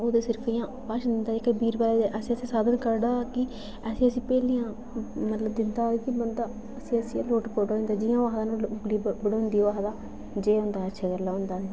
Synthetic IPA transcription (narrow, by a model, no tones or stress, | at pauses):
oːd̪eːsɪɾkʰijãː | paːʃd̪ɪnd̪aːɪkbiːɾbaleːd̪eʔəsĩːəsĩːsaːd̪ənkəɾɖaːkɪ | əsĩːəsĩːpɛːliːãː | mət̪ləbd̪ɪnd̪aːekɪbənd̪aː | əsĩːəsĩloːʈpoːʈoːĩnd̪aːd͡ʒɪjãːʋaːɦd̪aːnũːbliːbəɽõːnd̪iːoːʋaːɦd̪aː | d͡ʒeːɦʊ̃nd̪aːətːʃʰaːkəɾlːaːɦʊnd̪aːe